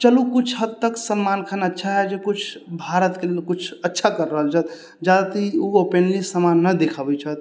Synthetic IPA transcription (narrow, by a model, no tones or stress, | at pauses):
t͡ʃəlukut͡ʃʰɦəd̪t̪əksəmmankʰanətːʃʰaɦɛd͡ʒekut͡ʃʰbʱaɾət̪kelelkut͡ʃʰətːʃʰakəɾːəɦəlt͡ʃʰət̪ | d͡ʒad̪at̪iuopenlisəmanːəd̪ekʰəbɛt͡ʃʰət̪̚